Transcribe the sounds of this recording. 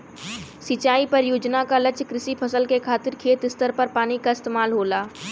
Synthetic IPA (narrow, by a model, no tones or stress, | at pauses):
sɪt͡ʃaːipɐɾjoːd͡ʒnakalɐt͡ʃkɾɪsipʰɐsəlkekʰaːt̪ɪɾkʰeːt̪ɪst̪əɾpɐɾpaːnikaɪst̪eːmaːlɦoːlaː